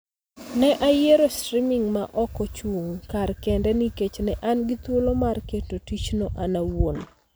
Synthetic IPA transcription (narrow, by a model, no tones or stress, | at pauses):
nɛʔajeɾostɾimiŋmaʔɔkɔt͡ʃwuŋkarkɛndɛniket͡ʃnɛʔanɡit̪olomarketotit͡ʃnoʔanawon